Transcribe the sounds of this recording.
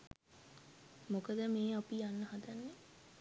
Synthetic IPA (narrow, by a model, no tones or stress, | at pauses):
mokəd̪əmeːapijanːəhad̪anːe